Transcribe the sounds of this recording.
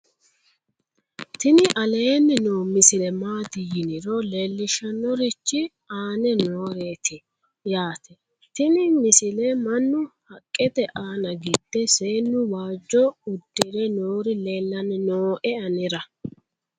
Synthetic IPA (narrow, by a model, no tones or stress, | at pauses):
t̪ɪnɪʔɐle̞ːnːɪnoːmɪsɪnɛmaːt̪ɪjɪnɪɾɔle̞ːlːɪʃɐnːɔɾɪt͡ʃːɪ | aːnɛnoːɾe̞ːt̪ɪ | jaːt̪ɛ | t̪ɪnɪmɪsɪlɛmɐnːʊhɐkʼːɛt̪ɛʔaːnɐɡɪd̪̥ːɛseːnːʊwaːd͡ʒːɔʊd̪ːɪɾɛnoːɾɪle̞ːlːɐnɛnoːʔɛɐnɪɾɐ